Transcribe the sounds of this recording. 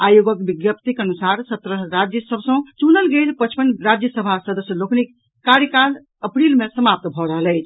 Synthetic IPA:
ajoɡəkbiɡjəp̚t̪ikənusaɾsət̪ɾəɾad͡ʒjəsəbʱsə̃t͡ʃunəlɡelpət͡ʃʰpənːɾad͡ʒjəsəbʱasəd̪əsjəloknikː | aɾjəkal | əpɾilmesəmap̚t̪bʱɔɾəɦəlɛjt͡ʃʰ

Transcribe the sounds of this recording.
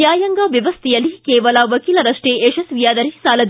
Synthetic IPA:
jaːjɐŋɡaʋjɐʋɐst̪ijɐlːikeːʋɐlɐʋɐkiːlɐɾɐʂʈeeʃɐsʋijaːd̪ɐɾisaːlɐd̪

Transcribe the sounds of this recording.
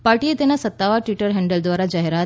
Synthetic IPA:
paɾʈiet̪enasət̪ːaʋaɾʈʋiʈəɾɦɛɳɖəld̪ʋaɾad͡ʑaɦeɾa

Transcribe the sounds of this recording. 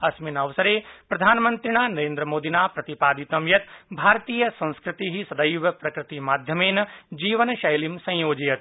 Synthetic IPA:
ɐsminɐʋsɐɾepɾɐd̪ʱaːnmɐ̃nt̪ɾiñaːnɐɾẽːnd̪ɾəmoːd̪inaːpɾɐt̪ipaːd̪it̪ɐmjɐt̪bʱaːɾt̪iːjəsɐ̃ñskɾɪt̪iɦisɐd̪ɐjʋɐpɾɐkɾɪt̪imaːd̪ʱjɐmeːnɐd͡ʒiːʋənʃɐjlimsɐ̃joːd͡ʒijɐt̪

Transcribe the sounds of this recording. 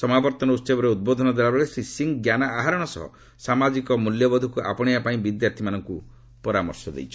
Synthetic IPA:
sɔmabɔɾt̪ɔnɔust͡ʃebɔɾeud̪̚bod̪ʱɔnɔd̪ebabɔɽesɾisiŋɡɡjanaːɦaɾɔɽ̃ɔsɔ̰ɦɔ̰ | samad͡ʒikɔmuljɔbɔd̪ʱukuʔa̰pɔɽ̃iapaĩbid̪jaɾt̪ʰimanɔŋku | pɔɾamɔ̰ɾsɔd̪ḛjt͡ʃʰɔ

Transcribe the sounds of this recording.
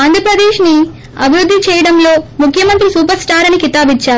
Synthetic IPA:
ɐnd̪ʱɾɐpɾɐd̪eːʃni | ɐbʱiɾud̪ːit͡ʃɛːjɐɽɐmlo̞ːmukʰjɐmɐnt̪ɾisuːpɐɾsʈaːɾɐnikit̪aːbit͡ʃːaːɾu

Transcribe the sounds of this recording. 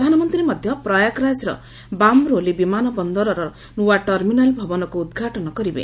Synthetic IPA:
d̪ʱanɔmɔnt̪ɾimɔd̪ʱjɔpɾɔjakɾajsɾɔ̰ | bamɾolibimanɔbɔnd̪ɔɾɔɾɔ | nuwaʈɔɾminalbʱɔbɔnɔkuud̪ɡʱaʈɔnɔkɔɾibḛ

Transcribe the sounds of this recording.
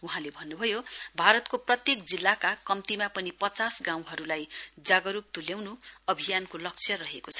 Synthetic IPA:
uɦãlebʱʌnːubʱʌjobʱaɾʌt̪koprʌt̪jekd͡zilːakakʌmt̪imapʌnipʌt͡sasɡãw̃ɦʌɾulajd͡zaɡʌɾup̚t̪uljawnuʌbʱijankolʌk̚t͡sʰjʌɾʌɦekot͡sʰʌ̥

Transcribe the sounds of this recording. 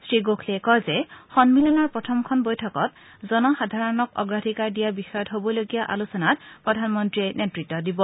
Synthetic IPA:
sɹiɡokʰlekɔzɛxɔnmilɔnɔɹpɹɔtʰɔmkʰɔnbojtʰɔkɔt | zɔnɔxadʱaɹɔnɔkɔ̰ɡɹadʱikaɹdijabixɔjɔtɦobɔloɡijaʔalusɔnat̚pɹɔdʱanmɔntɹiɛnetɹitːɔdibɔ

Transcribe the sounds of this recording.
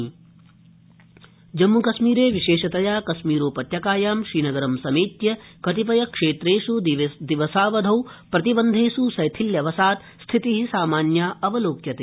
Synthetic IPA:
d͡ʒɐmːukɐʃmiːɾeːʋiʃeːʃɐt̪ɐjaːkɐʃmiːɾoːpɐt̪jɐkaːjaːmʃɾiːnɐɡɐɾɐmsɐmeːt̪jɐkɐt̪ip̬ɐjɐkʂeːt̪ɾeːʂud̪iʋɐsaːʋɐd̪ʱɐwpɾɐt̪ibɐnd̪ʱeːsusɐjt̪ʰiljɐʋɐsaːt̪ | st̪ʰit̪iɦisaːmaːnjaːɐʋɐloːkjɐt̪e

